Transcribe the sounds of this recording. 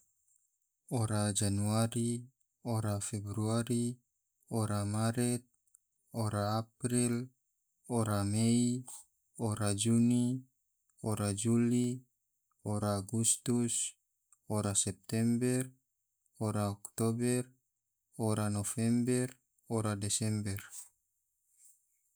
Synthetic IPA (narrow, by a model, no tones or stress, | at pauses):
oɾad͡ʒanuaɾi | oɾafɛbɾuaɾi | oɾamaɾɛt̪̚ | oɾaːpɾil | oɾamei | oɾad͡ʒuni | oɾad͡ʒuli | oɾaːɡust̪us | oɾasɛp̚t̪ɛmbɛr | oɾaɔkt̪obɛr | oɾanofɛmbɛr | oɾadɛsɛmbɛr